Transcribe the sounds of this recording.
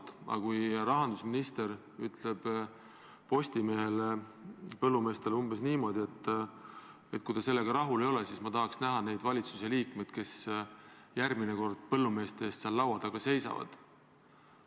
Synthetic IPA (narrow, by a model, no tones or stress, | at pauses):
t̪ɑ̰kujrɑɦɑnd̪usminist̪e̞ɾ | yt̪le̞b̥ | po̞sʲt̪ime̞ːɦe̞le | pɤlːume̞ːst̪e̞lumb̥esniːmo̞d̪ie̞t̪ːˑ | e̞t̪̚kujd̪ɑse̞lːeɡ̥ɑɾɑɦule̞jo̞lesiːsmɑt̪ɑɦɑksnæɦɑne̞jd̪vɑlʲit̪suse̞liːkmed̪̥̚ke̞s | jærmineko̞rd̪̥̚pɤ̞lːume̞ːst̪eeːst̪seɑlːɑwɑd̪̥ɑɡ̥ɑse̞jsɑ̰vɑ̰d̪̥